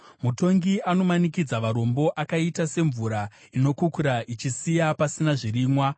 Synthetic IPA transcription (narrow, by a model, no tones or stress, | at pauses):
muto̞ŋɡiʔano̞manikid͡zaʋaɾo̞mbo̞ʔakaitase̞ɱvuɾa | ino̞kukuɾaʔit͡ʃisijapasinaʐiriːmwa